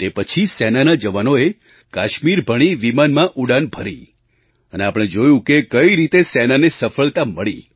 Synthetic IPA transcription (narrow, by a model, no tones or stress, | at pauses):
t̪epət͡ʃʰisɛnanad͡ʒəʋanoe | kaʃmiɾbʱəɽ̃iʋimanmãʔuɽanbʱəɾi | əneapɽ̃ẽd͡ʒojũkekəiɾit̪esɛnanesəfəɭt̪aməɭi